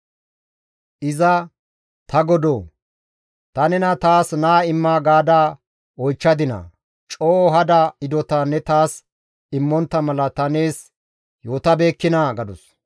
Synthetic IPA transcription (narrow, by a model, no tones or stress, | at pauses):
ʔɪzɐ | t̪ɐɡɔd̪oː | t̪ɐnɛnɐt̪aːsnaːɪmːaːɡaːd̪aː | ɔjt͡ʃːɐd̪ɪnɐ̰ | t͡ʃʼoːɔɦɐd̪aɪd̪ɔt̪anːɛt̪aːs | ɪmːɔnt̪ːɐmɐlɐt̪ɐne̞ːs | jo̞ːt̪ɐbe̞ːkːɪnaɡɐd̪ɔs